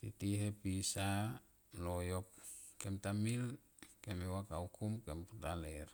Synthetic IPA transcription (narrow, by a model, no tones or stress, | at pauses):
titiɦepisa | lojokkemtamil | kemewakaukumkemputaler